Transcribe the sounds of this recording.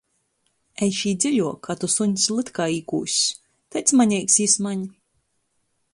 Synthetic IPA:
ɛjʃiːd̪zʲiʎʲuɔkat̪usuɲslˠɨt̪kaːiːkṵːsʲ | t̪at̪smaɲʲɛjksismaɲ

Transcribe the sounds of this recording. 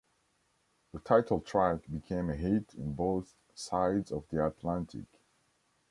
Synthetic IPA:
ðətʰaɪtʰl̩ˠtʰɹ̥ækbikʰẽɪ̃mɨɦiɾɨ̃nboʊθ | saɪdzʌvðiæt̪ʰlæ̃ntʰɪ̰k

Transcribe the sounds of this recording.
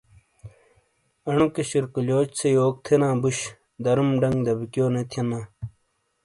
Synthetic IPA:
ɐɳukeɕiɾkuljoːt͡ɕt͡sʰejoːk̚t̪ʰenãːbuɕ | d̪ɐɾumɖɐŋɡd̪ɐbikjoːnet̪ʰjɐnãː

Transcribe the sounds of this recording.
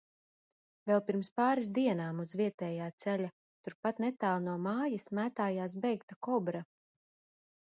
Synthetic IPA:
vɛlˠpiɾmspaːɾis̬d̪iɛnaːmuzviɛt̪ɛːjaːt̪sɛlʲa | t̪uɾpat̪nɛt̪aːlˠnuɔmaːjismæːt̪aːjaːs̬bɛjkt̪akɔbɾa

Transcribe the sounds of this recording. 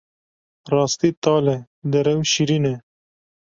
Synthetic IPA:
ɾɑːst̪it̪ɑːle | d̪ɐɾɐwʃiɾine

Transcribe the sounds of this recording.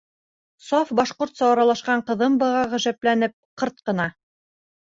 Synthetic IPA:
sɑfbɑʃqoɾt̪sɑwɑɾɑlˠɑʃqɑɴqɤ̆ðɤmbɤ̆ʁɑʁɵ̆ʒæplænɘp̚qɤɾt̪̚qɤ̆nɑ

